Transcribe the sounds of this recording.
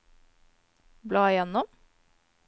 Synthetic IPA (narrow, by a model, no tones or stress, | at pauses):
blɑːjɛnɔm